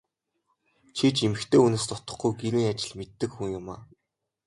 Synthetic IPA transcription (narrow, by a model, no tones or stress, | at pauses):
t͡ɕʰit͡ɕemɘ̆xt̪ʰeːunŏːst̪ɔt̪ə̆χɡujɡeɾiːŋat͡ɕɪ̆ɮmet̪ːɘ̆kxuŋjʊmaː